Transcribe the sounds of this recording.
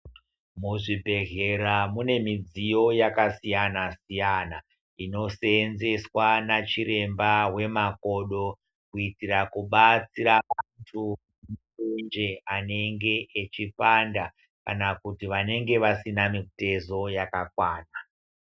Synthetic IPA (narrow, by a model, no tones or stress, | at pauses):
muʐibʱe̞ɣe̞ɾamune̞mid͡zijo̞jakasijanasijana | ino̞se̞nze̞swanat͡ʃiɾe̞mbawe̞mako̞ɗo̞ | kuitirakuɓat͡siɾaʋantʰu | ma | end͡ʒeane̞ŋɡe̞ʔːt͡ʃipanda | kanakutiʋane̞ŋɡe̞ʋasinamite̞zo̞jakakwaːna